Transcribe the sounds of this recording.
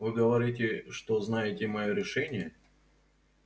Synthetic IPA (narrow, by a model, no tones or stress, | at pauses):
vɨɡəvɐɾʲit̬ʲɪʂt̪oznajɪtʲɪmɐjoɾʲɪʂɛnʲɪjə